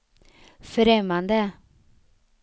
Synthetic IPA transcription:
fɾɛmːand̪ə

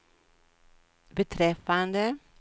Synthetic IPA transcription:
bət̪ʰɾɛfand̪ə

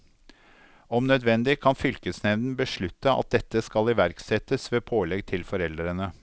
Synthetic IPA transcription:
ɔmnœd̪ʋɛnd̪ɪkʰɑnfʏlkəsnɛʋnn̩bəʂɭʉt̪ːəɑ̰t̪̚d̪ɛt̪ːəskɑlɪʋæɾksɛt̪əsʋeːpʰoːlɛɡt̪ʰɪlfɔɾɛld̪ɾənə

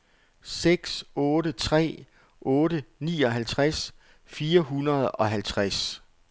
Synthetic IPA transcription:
seɡ̥sɔːɾət͡sʰʁɛ̰ː | ʔɔ̽ːɾənḭːɒ̽ɦælt͡sʰʁas | fiːɐɦunɐð̞ˠɒ̽ɦælt͡sʰʁas

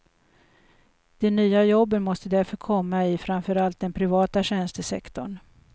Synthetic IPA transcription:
d̪̥ɛnyːajɔbːət̪mɔst̪əd̪æɾfœɾkʰɔmːaɪfɾamfœɾalt̪̚d̪ɛnpʰɾɪvɑːt̪aɕɛnst̪əsɛ̰kt̪ɔɳ

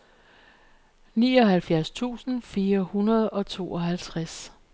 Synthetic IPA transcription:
nḭːɒ̽ɦælfjæɐst͡sʰṵːsn̩fiːɐhunɐð̞ˠɒ̽t͡sʰo̝̰ːɒ̽ɦælt͡sʰʁas

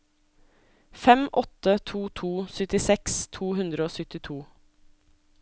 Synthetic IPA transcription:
fɛmʔɔt̪ət̪ʰuːt̪ʰuːsʏt̪ɪsɛkst̪ʰuːhʉnd̪ɾəoːsʏt̪ɪt̪ʰuː

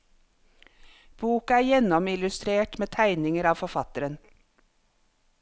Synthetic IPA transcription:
b̥uːkɑæːɾjɛnɔmɪlʉst̪ɾeːʈmeːt̪ʰæɪnɪŋəɾɑːʋfɔfɑt̪əɾən

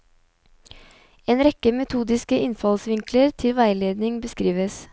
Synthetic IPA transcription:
eːnɾɛkəmɛt̪ʰuːd̪ɪskəʔɪnfɑlsʋɪŋkləɾt̪ʰɪlʋæɪleːd̪nɪŋbəskɾiːʋəs

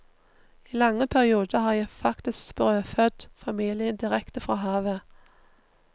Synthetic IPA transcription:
iːlɑŋːəpʰæʁɪuːd̪əhɑːjæɪfɑkt̪ɪskb̥ʁøːfœd̪̥fɑmiːlɪənd̪ɪʁɛkt̪əfʁɑːɦɑːʋə

